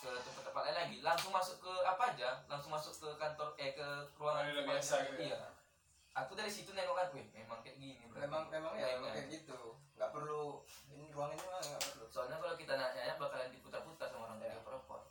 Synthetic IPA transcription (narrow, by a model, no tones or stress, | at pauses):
t͡ʃualat̪əpət̪əpat̪ʔainlaɡilaŋsʊŋmasʊkːəapaːd͡ʒalaŋsʊŋmasʊkːəkant̪ɔrɛkəruaŋanaaija | ʔak̪udaɾisit̪unaŋɔkŋak̪uɪmemaŋkɛt̪̚ɡinibemaŋmemaŋakətɡit̪uŋɡaʔpərluinɾuaŋinuaŋɡaʔpərlusoalɲakalawkit̪anaɲaɲabakalandiput̪arput̪asamoɾaŋt̪adiapəɾəpɔ̰r